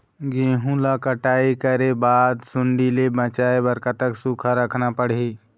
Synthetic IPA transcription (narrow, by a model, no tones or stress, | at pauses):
ɡẽːɦũlakəʈaːikəɾebaːd̪sʊɳɖilebət͡ʃaːebəɾkat̪əksukʰaɾəkʰnapəɽ̤i